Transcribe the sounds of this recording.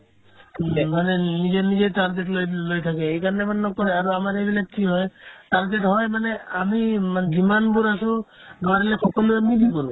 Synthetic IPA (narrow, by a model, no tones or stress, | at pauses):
manenid͡ʑeɾnid͡ʑejtaɾɡeʈlojlojt̪ʰakeejkaɾɔnemannɔkɔɾeaɾoamaɾebilaʈʰiɦɔetaɾd͡ʒeʈɦɔemaneamimand͡ʒimanbuɾaʃo | ɡaɾelekʰɔkolemid̪ʱikɔɾu